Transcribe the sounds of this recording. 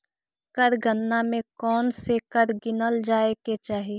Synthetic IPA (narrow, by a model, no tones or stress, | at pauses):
kəɾɡʱənːamẽkɔːnsekəɾɡɪnəld͡ʒaːeket͡ʃaːɦeː